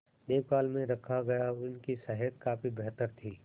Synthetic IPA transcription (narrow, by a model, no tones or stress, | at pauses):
d̪eːʋkaːlmẽɾɐkʰaɡɐjaɪnkisəɦət̪̚kaːfibɛɦt̪əɾt̪ʰiː